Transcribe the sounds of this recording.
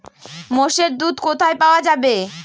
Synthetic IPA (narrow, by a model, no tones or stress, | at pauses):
moʃeɾd̪ud̪kot̪ʰaepaoad͡ʑabe